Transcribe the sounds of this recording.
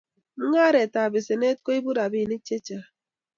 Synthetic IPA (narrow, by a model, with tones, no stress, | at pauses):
m̩˦ŋa˦ɾe˨ta˨bɪ˨se˨ne˦t̚ko˦i˦bu˦ɾa˨bi˦˨ni˦t͡ʃe˦t͡ʃa˦